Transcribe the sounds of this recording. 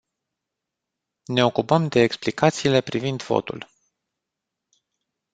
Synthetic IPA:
ne̞o̞kupəmd̪e̞ːksplikat̪siːle̞pɾivind̪vo̰t̪ṵl

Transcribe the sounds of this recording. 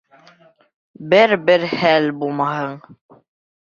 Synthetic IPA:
bɘɾbɘɾhælbulˠmɑhɤɴ

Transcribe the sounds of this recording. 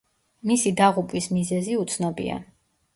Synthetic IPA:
misid̪aʁupʼwismizɛziut̪sʰnɔbḭa̰

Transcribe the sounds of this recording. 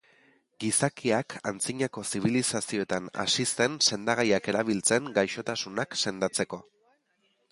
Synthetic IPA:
ɡisakiakʰa̰nt͡siɲako̞siβ̞ilisasio̞et̪ana̰sise̞nse̞nd̪aɣajake̞ɾaβ̞ilt͡se̞ŋɡajʃo̞t̪asunakse̞nd̪at͡se̞ko̞

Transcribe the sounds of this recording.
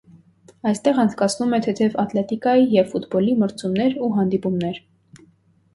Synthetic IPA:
ɑjst̪ɛʁɑnt͡sʰkɑt͡sʰnumɛt̪ʰɛt̪ʰɛvɑt̪lɛt̪ikɑjijɛvfut̪bɔliməɾt͡sʰumnɛɾuɦɑnd̪ipumnɛɾ

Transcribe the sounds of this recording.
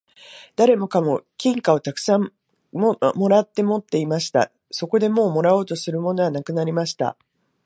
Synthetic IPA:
d̪̥aɾe̞mo̞kamo̞kʲĩŋkao̞t̪akɯ̥sãm | mo̞ɾat̪ːe̞mo̞t̪ːe̞imaɕi̥t̪a̰ | so̞ko̞d̪e̞mo̞ːmo̞ɾao̞ːt̪o̞sɨɾɯ̟mo̞no̞ɡanakɯ̟naɾʲimaɕi̥t̪a̰

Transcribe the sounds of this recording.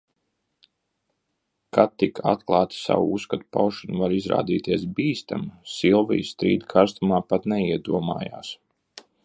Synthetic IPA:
kat̪ːikʰa̰t̪̚klˠɑːt̪i̥sa̰wuuskat̪u̥pa̰wʃɔnuvaɾizɾa̰ːd̪iːt̪iɛsbiːst̪a̰msilˠvḭjsst̪ɾḭːd̪ikʰaɾst̪umaːpat̪nɛiɛd̪uɔma̰ːja̰ːs

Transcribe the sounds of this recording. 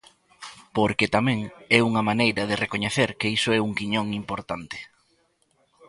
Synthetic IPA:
poɾket̪amɛ̃ŋɛuŋɐmanejɾɐðɪrekoɲeθeɾkeisoɛuŋkiɲõŋimpoɾt̪ant̪ɪ̥

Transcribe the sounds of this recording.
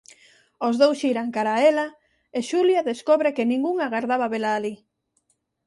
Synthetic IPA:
ozðowsiɾaŋkaɾaela | eʃuljaðeskoβɾekenĩŋɡuŋaɣaɾðaβaβelaːli

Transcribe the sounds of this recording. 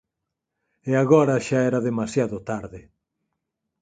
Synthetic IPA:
eaɣɔɾɐʃaɛɾɐðemasjaðʊt̪aɾðɪ

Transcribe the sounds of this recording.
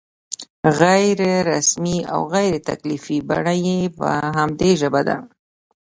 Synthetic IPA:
ɣajɾɾasmia̰wɣajɾet̪a̰klifiba̰ɳajepə̰ɦamd̪eʒəbad̪a̰

